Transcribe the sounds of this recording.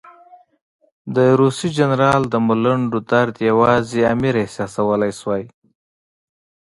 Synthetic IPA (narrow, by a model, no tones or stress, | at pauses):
d̪əɾusid͡ʒanɾɑld̪əmʊlaɳɖod̪aɾd̪jawɑzeamiɾasjɑsawəlajswɑj